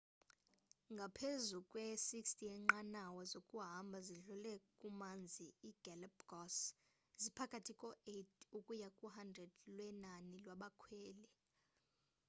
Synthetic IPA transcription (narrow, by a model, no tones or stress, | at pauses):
ŋɡʱapʰezukʼwɛsikstʰʼiɛŋ͡ǃanawɔzokʼuɦambʱaziɮulɛkʼumand͡zʱiːɡ̥ɛlpɡ̥ɔs | zipʰakʼatʰikʼɔetʰʼukʼujakʼuɦandrɛd̥lwɛnanilwaɓakʰwɛːlɛ